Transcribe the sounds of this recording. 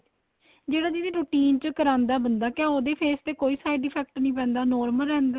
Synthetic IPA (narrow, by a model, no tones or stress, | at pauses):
d͡ʒeːɽaːd͡ʒ̪id̪eːɾuːʈiːnt͡ʃəkəɾãːnd̪aːbənd̪aːkɪãːoːd̪eːpʰeːst̪eːkoːiːsaːiɖɪːpʰɛːk̚ʈnĩːpɛ̃ːnd̪aːnɔːɾməlɛ̃ːnd̪aː